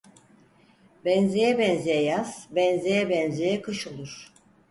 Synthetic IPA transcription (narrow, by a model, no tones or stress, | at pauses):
bɛnzejɛbɛnzejɛjaz̥bɛnzejɛbɛnzejɛkʰɯʃolˠuɾ̥